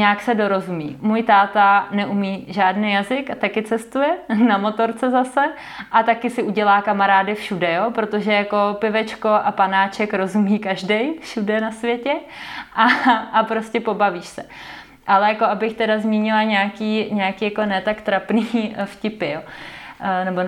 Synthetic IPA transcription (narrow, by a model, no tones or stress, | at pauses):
ɲaːksɛdo̞ɾo̞zumiːmujt̪aːt̪anɛʔumiːʒaːdnɪjazɪkat̪akɪt͡sɛst̪ujɛnamo̞t̪o̞ɾt͡sɛzasɛ | ʔat̪akɪsɪʔuɟɛlaːkamaɾaːdɪfʃudɛjoːpɾot̪o̞ʒɛjako̞pɪvɛt͡ʃko̞ʔapanaːt͡ʃɛkɾo̞zumiːkaʒdɛjfʃudɛnasvjɛcɛʔaʔapɾo̞scɛpo̞baviːʃsɛ | ʔalɛjakoʔabɪxt̪ɛdazmiːɲɪlaɲɛakiːɲɛakiːjako̞nɛːt̪akt̪ɾapnifcɪpɪjo | nɛbo